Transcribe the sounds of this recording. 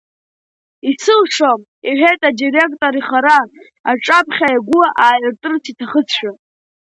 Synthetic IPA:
isɨlʂom | iħʷᶣejtʼadire̞kʼtʼoɾiχaɾaː | ʈ͡ʂʼapʰχʲajaɡʷʊaʔaːjɨrtʼɨrt͡sʰitʰaχət͡sʰʃᶣa

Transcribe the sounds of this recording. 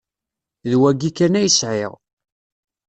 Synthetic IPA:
ðwæɡikːænæjsʕɪ̰ʁ

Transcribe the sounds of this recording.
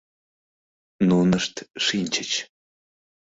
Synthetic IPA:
nunəʂt̪ʂinʲt͡ɕə̆t͡ɕ

